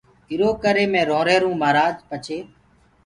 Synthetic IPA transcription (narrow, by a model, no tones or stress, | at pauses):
ɪɾoːkəɾeːmẽːɾõːɾeːɾũːmaːɾaːd͡ʒpət͡ʃʰeː